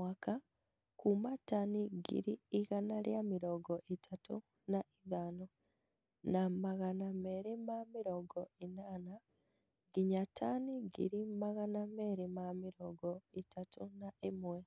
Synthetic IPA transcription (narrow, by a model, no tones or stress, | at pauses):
waka | kumatːaniɡḭɾiiɣanaljamiɾoɡoʔitatu | naiðaːno | namaɣanameɾimamiɾoɡoinaːna | ɡiɲatʰaːniɡḭɾimmaɣanameɾimamiɾoɡoitatʰunaimwe